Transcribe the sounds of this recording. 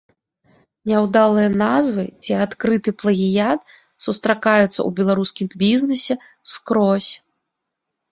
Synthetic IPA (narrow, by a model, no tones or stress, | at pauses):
nʲɛwd̪alˠɨjɐnazvɨt͡sʲiat̪kɾɨt̪ɨplˠɐɣʲijat̪̚ | sust̪ɾakajut̪sːɐ̰ubʲɛlˠaɾuskʲimbʲiznɨsʲɛ | skɾɔsʲ